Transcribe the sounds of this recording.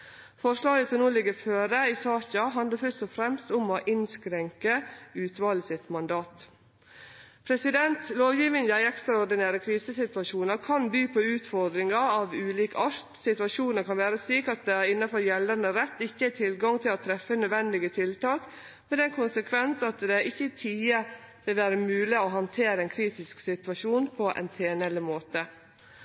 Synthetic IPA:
fɔʂlɑːɡəsɔmnuːlɪɡəɾføːɾəisɑːçɑɦɑnd̪əɾfœʂtɔfɾɛmst̪ʊmɔʔɪnskɾɛŋkəʉːt̪ʋɑːləsɪt̪mɑnd̪ɑːt̪ | pʰɾɛsɪd̪ɛnt̪loːʋjiːʋənjæɪɛkst̪ɾɑɔɾd̪ɪneːɾəkʰɾiːsəsɪt̪ʋɑʃuːnəɾkʰɑnbyːpʰoːʉːt̪fɔɾd̪ɾɪŋɑɑːʋʉːliːkɑʂt̪sɪt̪ʋɑʃuːnəɾkɑnʋæːɾəsyːkɑt̪̚d̪ɛɪnːɑfɔɾjɛlənəɾɛt̪ːɪçːəæt̪ʰɪlɡɑŋt̪ʰɪloːt̪ʰɾɛfːənœd̪ʋɛnd̪ɪɡət̪ʰɪlt̪ɑːk | mɛd̪ɛnkʰʊnsəkʰʋɛnsɑt̪d̪ɛʔɪçːət̪ʰiːəʋɪlʋæːɾəmʉːlɪoɦɑnt̪ʰeːɾəɛnkʰɾiːt̪ɪsksɪt̪ʋɑʃuːnpʰɔʔɛ̰nt̪ʰeːnɛləmoːt̪ə

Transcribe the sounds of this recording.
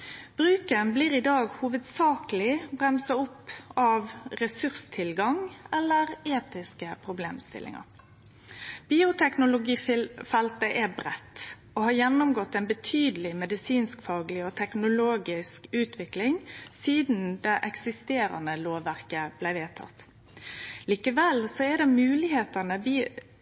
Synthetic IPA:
b̥ɾʉːkənbliːɾɪd̪ɑːɡhuːʋəd̪sɑːkəlɪbɾɛmsɑʊpːɑʋɾɛsʉʁst̪ʰɪlɡɑŋɛlːəɾeːt̪ɪskəpʰɾʊblḛːmst̪ɪ̰lʔɪ̰ŋɑ̰ɾ | b̥iːʊt̪ʰɛknʊlʊɡiːfɛlt̪əʔɛbɾɛt̪ː | ɔɦɑːɾjɛnːʊmɡɔt̪ːɛɪnbət̪ʰyːd̪əlɪmɛd̪ɪsiːnskfɑːɡəlɪɔt̪ʰɛknʊloːɡɪskʉːt̪ʋɪklɪŋsiːd̪nd̪ɛʔɛksɪst̪eːɾɑ̰nəloːʋːæɾkəb̥læɪʋeːt̪ʰɑ̰t̪ | liːkəʋɛlsɔɛd̪ɛmʉːlɪheːt̪ənəbi

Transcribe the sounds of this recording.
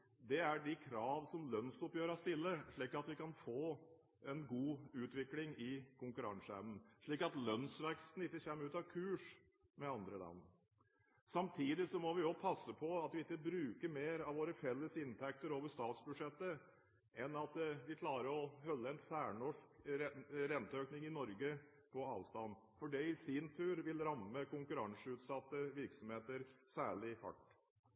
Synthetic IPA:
d̪ɛæɖɪkʰɾɑːʋsɔmlœnsɔpjøːɾɑst̪ɪlːəʂɭiːkɑt̪ʋɪkɑnfoː | ɛnɡuːʉːt̪ʋɪklɪŋɪkʰʊŋkʉɾɑ̰ŋsəɛ̰ʋnən̩ʂɭiːkɑt̪lœnsʋɛkst̪n̩ɪt̪ːəçeːmːəɾʉːt̪ɑʋkʰʉːʂ | mɛɑnd̪ɾəlɑ̰nː | sɑmt̪ʰiːd̪ɪsɔmɔʋɪɔpʰɑsːəpʰɔɑt̪ʋɪɪk̪ːəbɾʉːkəɾmeːɾɑʋʋoːɾəfɛlːəsɪnt̪ʰæk̚t̪əɾoːʋəʂt̪ɑːt̪sbʉʂɛt̪ːə | ʔɛnɑt̪ʋɪkʰlɑːɾəɾɔhœlːəɛnsæːɳɔʂkɛɾɛnt̪əøːknɪŋɪnɔɾɡə | pʰɔɑ̰ːʋst̪ɑn | fɔɖɛɪsint̪ʰʉːɾʋɪlɾɑmːəkʊŋkʉɾɑŋsʉːt̪sɑt̪ːəʋɪɾksɔmheːt̪əɾsæːɭɪhɑ̰ʈː

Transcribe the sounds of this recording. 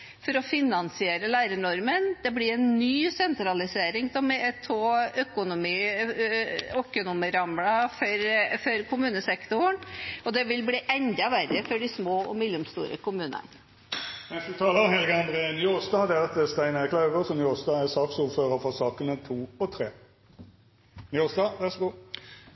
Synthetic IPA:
fɔɾɔfɪnɑnsɪeːɾəlæɪɾəɳɔɾmənd̪̥ɛblɪɾɛnnyːsɛnt̪ɾɑlɪseːɾɪŋsɔmɛt̪ʰoːœkʊnʊmiː | økənʊməɾɑmlɑfɔɾfɔɾkʰʊmʉːnəsɛkt̪ʊɳɔd̪ɛʋɪlbliːʔɛnd̪ɑʋæɾːəfɔɖɪsmoːɔ̰mɪlːəmst̪ṵːɾə̰kʊmʉːnə̰n | mɛnsd̪ʉt̪ʰɑːləhɛlɡɑnd̪ʁenjoːsd̪ɑːd̪ɛt̪əst̪æɪnəʁkʰlɑʉɡəʁsɔmjoːsd̪ɑːæsɑːksuːʁføːʁəfɔʁsɑːkənət̪ʰuːɔt̪ʰɾeː | njoːsd̪ɑːʋæsɡu

